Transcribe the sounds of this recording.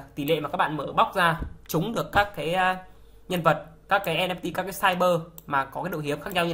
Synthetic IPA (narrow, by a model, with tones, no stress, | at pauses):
t̪i˧˩lḛ˧˨ma˨˩kːaː˦˥ɓa̰ː˧˨məː˧˩ɓa˦˥wk͡p̚zaː˧t͡ɕʊ˨˦ŋ͡mɗɨ˨˩əkːaː˦˥kːaː˨˦jː | ɲə˧nvə˨˩t̚kaː˦˥kːaː˨˦jʔɛ˧mnɛ˧mt̪i˧kaː˦˥kːaː˨˦jsaː˧jɓəː˧maː˨˩kɔ˨˦ka˨˦jɗo̰˧˨hi˨˦əmxaː˦˥k̚ɲa˧wɲɨ˧